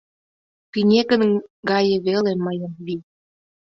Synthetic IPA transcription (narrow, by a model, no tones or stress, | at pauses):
kinʲekənɡɑjə̆βelemɑjɤmβi